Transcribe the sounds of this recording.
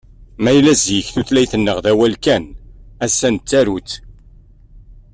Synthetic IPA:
mæjlæzjəçθuθlæjθənːəʁðæwælkænæsːænt̪ːæɾut͡s

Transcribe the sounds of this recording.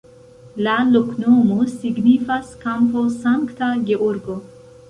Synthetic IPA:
laloknoːmusiɡnifaskamposaŋkt̪aɡeʔoɾɡo

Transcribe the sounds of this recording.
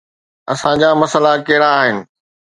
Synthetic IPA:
ɐ̰sãd͡ʑaːmɐsəlakɐɦɪɽaːɦɪnɪ̆

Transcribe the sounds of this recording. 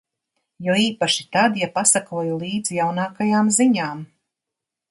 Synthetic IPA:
jɔiːpaʃit̪ad̪japasakuɔjulˠiːd̪zjawnaːkajaːmziɲaːm

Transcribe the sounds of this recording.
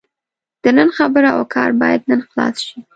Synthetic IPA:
d̪̥ənənxabəɾaʔa̰kʰɑɾbɑjad̪nənxlɑ̰sʃi

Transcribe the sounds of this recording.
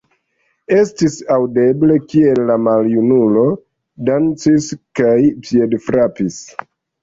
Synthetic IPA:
e̞stisawde̞ble̞kie̞lːamaljunulo̞ | dant͡siskajpiedfɾapis

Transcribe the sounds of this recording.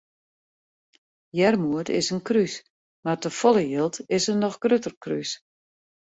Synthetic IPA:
jɛrmuətɪ̰sənkrys | martəfɔlˠəjɪlˠtɪsənɔxɡ̥røtərkry̰s

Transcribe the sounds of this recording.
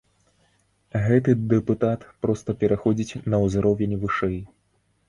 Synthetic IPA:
ɣɛt̪ɨd̪ɛput̪at̪pɾɔst̪ɐpʲɛɾaxɔd͡zʲit͡sʲnɐwzɾɔvʲɛnʲvɨʂɛj

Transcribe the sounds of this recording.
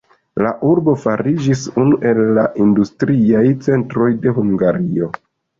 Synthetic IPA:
laʔuɾbo̞faɾid͡ʒisunuʔe̞lːaʔindustɾiajt͡se̞ntɾo̞jde̞ɦuŋɡaɾio̞

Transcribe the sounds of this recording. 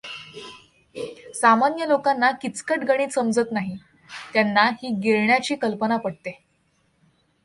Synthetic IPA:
samanjəlokanːakit͡skəʈɡəɽ̃iːsəmd͡zət̪naɦi | t̪janːahiːɡeɭɳjat͡ɕiːkəlpənapəɽt̪e

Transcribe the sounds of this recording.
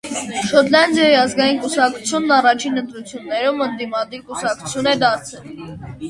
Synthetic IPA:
ʃɔt̪lɑnd̪jɑjiɑzɡɑjinkusɑk̚t͡sʰu̥t͡sʰjunːɑrɑt͡ʃʰinənt̪ɾut͡sʰjunːɛɾumənd̪imɑd̪iɾkusɑk̚t͡sʰu̥t͡sʰjunɛd̪ɑɾt͡sʰɛl

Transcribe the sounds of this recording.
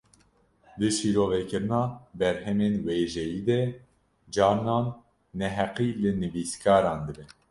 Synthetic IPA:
d̪ɨʃiːɾoːvɛkɨɾɨnɑːbɛɾhɛmeːnweːʒɛjiːd̪ɛ | d͡ʒɑːɾnɑːnː | ɛɦɛqiːlɨnɨviːskʰɑːɾɑːnd̪ɨbɛ

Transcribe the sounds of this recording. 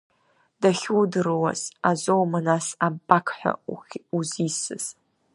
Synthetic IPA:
d̥aχʲudɨrwa̰zazowmanasabakʰħʷa̰uzisɨ̰z̥

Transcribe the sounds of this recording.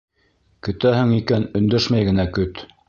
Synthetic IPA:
kɵ̆t̪æhɘ̆ŋikænɵ̆nd̪æʃmæjɡɘ̆nækɵt̪

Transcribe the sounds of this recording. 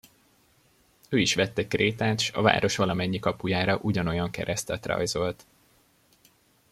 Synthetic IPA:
øːiʃʋɛt̪ːɛkreːt̪aːt̪ʃɒ̰va̰ːɾo̞ʃʋɒlɒmɛɲːikɒpujaːɾɒʔuɟɒno̞jɒŋkɛ̰ɾɛst̪ɛt̪rɒ̰jzo̞lt̪

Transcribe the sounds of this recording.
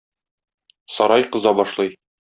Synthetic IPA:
sɒɾɑjqɤ̆zɑbɒʃlˠɤj

